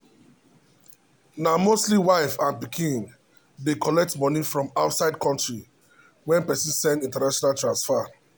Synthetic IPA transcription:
namostliwaɪfãnbikʰĩn | dekʰɔlɛk̚tmɔnifɹɔ̃maʊtsaɪd̚kɔ̃ntɹi | wɛ̃npɛsĩsɛ̃ndĩntanaʃɔnaltɹãnsfa

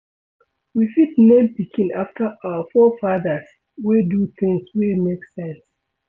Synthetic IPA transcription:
wifitnẽmpikʰĩnaftʰəʔawəfɔfaðə˞s | weduθɪ̃ŋswemeksɛ̃ns

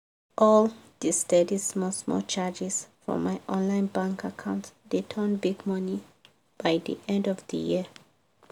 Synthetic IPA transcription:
ʔɔlˠdistɛdismɔsmɔ̰lt͡ʃʰad͡ʒɪz̥fɹɔ̰̃maɪʔɔ̃nlãɪ̃nbãŋkʰakʰãʊ̃ntditʰənbiɡmʌni | b̥aɪðḭʔɛ̃ndɔvðə̰ji

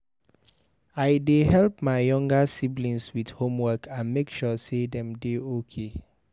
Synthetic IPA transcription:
aɪdehɛlp̚maɪjɔ̃ŋɡasiblĩnswidhõmwɜkʰãnmekʃɔsedɛ̃mdeokʰe

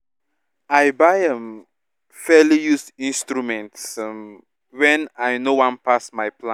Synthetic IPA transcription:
ajbajə̃m | fɛlijusĩnstɹumɛ̃nts | wɛ̃najnowãnpasmajpʰlã

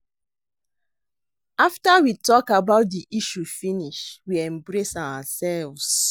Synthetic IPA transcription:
aftawitɔkabaʊt̚diʔiʃufiniʃwiɛ̃mbɹesawasɛlvs

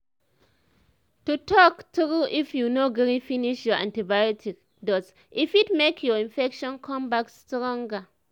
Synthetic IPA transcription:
tutʰɔktuɹuifjunoɡɛɾĩfiniʃjɔã̰ntibajɔtʰik | dɔts | ʔifitmekʰjɔĩnfɛkʃɔ̃nkʰɔ̃mbakstɹɔ̃ŋɡa

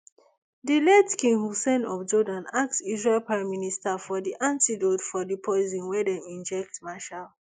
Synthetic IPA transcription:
dilɛtkĩŋhusɛ̃nɔfd͡ʒɔdãnak̚tsizɹelpɹãɪ̃mːinistafɔdiʔãntidotfɔdipʰɔɪzĩnwɛdɛ̃mĩnd͡ʒɛk̚tmaʃal

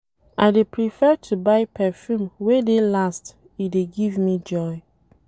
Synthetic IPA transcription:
ʔaɪdepʰɹifɛtʰubaɪpʰɛfjũmwedelast | ideɡivmid͡ʒɔj

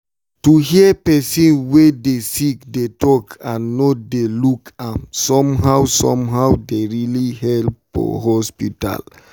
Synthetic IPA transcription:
tuhiəpɛsĩnwedesikdetɔkʰãnːodelukãmsɔ̃mɦawsɔ̰̃mɦawdeɹilihɛlp | ɔ̰ɦɔspita̰l

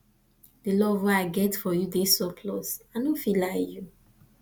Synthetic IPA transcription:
dəlɔvwɛaɪɡɛtfɔjudesɔpʰlɔsanõfilaɪju

